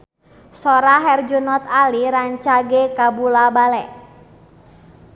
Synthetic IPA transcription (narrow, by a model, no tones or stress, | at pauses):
sɔɾaɦɛrd͡ʒunɔt̪aliɾaɲt͡ʃaɡekabulabalɛʔ